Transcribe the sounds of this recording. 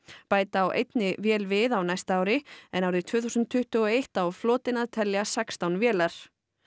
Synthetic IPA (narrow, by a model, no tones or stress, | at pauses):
paːjt̪aːwʔḛjt̪nɪvjɛːlvɪðawnajst̪aːwɾɪɛnawɾðɪt̪ʰvœːθusʏnt̪ʰːʏht̪ʏɔejht̪awflɔːt̪ɪnaðt̪ʰɛljasɛkst̪awnvjɛːlaɾ̥